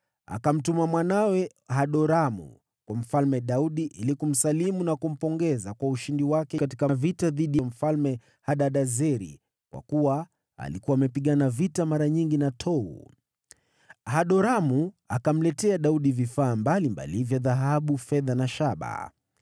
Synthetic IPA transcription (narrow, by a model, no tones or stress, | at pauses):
a̰kam̩tumamwanawɛ | ɦaɗɔɾamṵ | kwam̩falmɛɗauɗiʔḭlikum̩salimunakum̩pɔŋɡɛzakwauʃindiwakɛkati̥kavitaðiɗijam̩falmɛ | haɗaɗazɛɾḭ | kwa̰kuwa | a̰likuwaːmɛpiɠanavitamaɾaɲiŋɡinatʰɔṵ | haɗɔɾamu | akam̩lɛtɛaɗauɗivifaːmbalimba̰livjaðaɦaɓufɛðanaʃaɓa̰